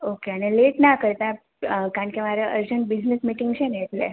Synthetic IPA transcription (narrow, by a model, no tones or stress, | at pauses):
okeaneleʈnakəɾt̪a | kaɳkemaɾeəɾd͡ʑəɳʈ̚bid͡ʒnesmiʈiŋɡt͡ɕʰeneːʈlḛ